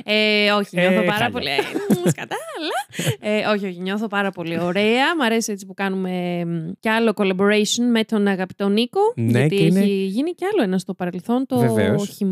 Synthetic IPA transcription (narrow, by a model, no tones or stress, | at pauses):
eo̞çiɲoθopɐɾɐpo̞lḭskɐt̪ɐːlɐeʔo̞çio̞çiɲo̞θo̞pɐɾɐpo̞lio̞ɾeɐmɐɾesie̞t͡si̥pukɐnume̞mceɐlo̞ko̞lɐbo̞ɾɐsonme̞t̪o̞nɐɣɐpi̥t̪o̞niko̞ʝnɐt̪ieçiʝiniceɐlo̞enɐst̪o̞pɐɾe̞lθo̞nt̪ovɛ̰oçim